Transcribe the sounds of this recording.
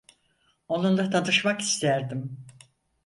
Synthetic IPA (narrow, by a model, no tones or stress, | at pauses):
o̞nund̪at̪ʰanɯʃmaki̥st̪ʰæɾd̪im